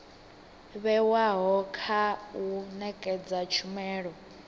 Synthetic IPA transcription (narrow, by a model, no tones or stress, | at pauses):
βɛwaɦɔkʰaunɛkʼɛd͡zat͡ʃʰumɛːɺɔ